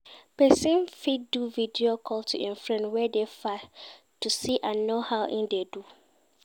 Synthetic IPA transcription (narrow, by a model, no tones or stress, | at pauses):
pɛsɛ̃nfid̚duvidiokʰɔltʰṵʔɛ̃nfɹɛ̃nwɛdefa | tusiʔãnːohaʊʔĩndedu